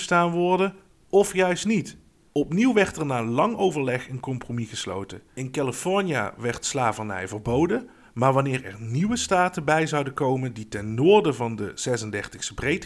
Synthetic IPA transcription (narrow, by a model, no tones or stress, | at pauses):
staːnʋɔɹdə | ɔfjœɥstnit | ɔpniwʋɛɹtəɹnaːlɑŋowvəɹlɛχənkɔmpromiɣəslo̰wtəɪnkaləfɔɹnija̰ʋɛɹtslaːvənɛ̰jvərbowdə | maːɹʋɑnɪːɹɛ̰ɹniʋəstaːtəbɛjzɑwdəkowmənditɛnːʊːɹdəvɑndəz̥ɛsəndɛrtəxstəbrejt